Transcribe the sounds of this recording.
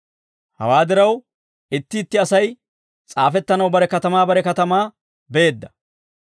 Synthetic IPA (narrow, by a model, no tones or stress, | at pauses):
hɐ̰waːd̪ɪɾɐw | ʔɪt̪ːɪːt̪ːɪɐsɐj | t͡sʼaːfɛt̪ːɐnɐwbɐɾɛkɐt̪ɐmaːbɐɾɛkɐt̪ɐmaː | bɛeːd̪ːɐ̥